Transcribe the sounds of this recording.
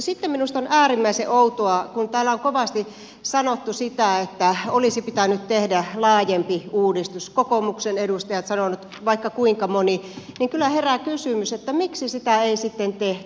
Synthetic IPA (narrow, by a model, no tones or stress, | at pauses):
sit̪ːemminust̪onʔæːrimːæiseʔout̪oɑkunt̪æːlːæoŋkoʋɑst̪i | sɑnot̪ːusit̪æet̪ːæolisipit̪ænyt̪t̪ehdælɑːjempiuːdist̪uskokomuksenedust̪ɑjɑt̪sɑnonut̪ | ʋɑikːɑkuiŋkɑmoniniŋkylːˑæherækysymyset̪ːæmiksisit̪æeisit̪ːent̪eht̪y